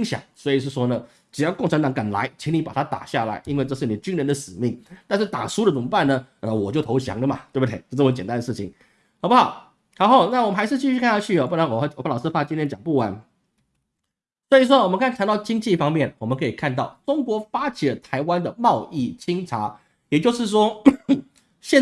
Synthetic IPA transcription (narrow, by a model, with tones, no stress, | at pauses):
i˥ŋɕjɑ̰˨˦ŋswɔ˧˥i˨˩ʂ̬̩˥˩ʂwɔ˥nə˨ | ʈ͡ʂɻ̩˨˩jɑ˥˧ʊkʊ˥˩ŋʈ͡ʂʰnt̪ɑ˧˥ŋka˨˩nla̰˧˥ɪt͡ɕʰi˧˥ŋni˧˥pa˨˩t̪ʰa˥t̪a̰˨˩ɕja˥˩la̰˧˥ɪʔi˥nwe˥˧ɪʈ͡ʂɤ˥˧ʂɻ̩˥˩ni˨˩ə˨t͡ɕy˥nɻə˧˥nd̪ə˨ʂɻ̩˨˩mi˥˩ŋt̪a˥˧nʂɻ̩˥˩t̪a̰˨˩ʂu˥d̪ə˨ʈ͡ʂʊ˨˩ŋpa˥˩nə˩ə˧˩wɔ˨˩t͡ɕjo˥˩ʊt̪ʰo˧˥ʊɕjɑ̰˧˥ŋlə˧˨mɐ˨t̪we˥˩bt̪ʰe˥˩ɪt͡ɕo˥˧ʈ͡ʂə˧t͡ɕɛ˨˩nt̪a˥nd̪ə˨ʂɻ̩˥˩t͡ɕʰi˨˩ŋ | xɑ˨˩ʊpu˥xɑ˨˩ʊ | xɑ˨˧˥ʊxɑ˥˩ʊna˥˩wɔ˨˩mə˦nxa˧˥ʂɻ̩˥˧t͡ɕi˥˧˥a˥˧a˥t͡ɕʰy˥˩ɔ˨˩pu˥˩na˧˥nwɔ˨˩˧wplɑ˨˩ʊʂɹ̩˥fa˥˨t͡ɕi˥nt̪ʰɛ˥nt͡ɕjɑ˨˩ŋpu˥˩wa˧˥˦n | swɔ˧˥i˨˩ʂ̬wɔ˥wɔ˨˩mə˦nkʰkʰa˧˥nt̪ɑ˥˩ʊt͡ɕi˥ŋt͡ɕi˥˩fɑ˥ŋmjɛ˥˩nwɔ˨˩mə˦nkʰɤ˧˥i˨˩kʰa˥˧nt̪ɑ˥˩ʊʈ͡ʂʊ˥ŋkwɔ˧˥fa˥t͡ɕʰi˨˥lə˦t̪ʰa˧˥ɪwa˥nd̪ə˨mɑ˥˧ʊʔi˥˩t͡ɕʰi˥ŋʈ͡ʂʰa˧˥ | jɛ˨˩t͡ɕjo˥˧ʊʂɻ̩˥˩ʂ̬wɔ˥ | ɕjɛ˥˧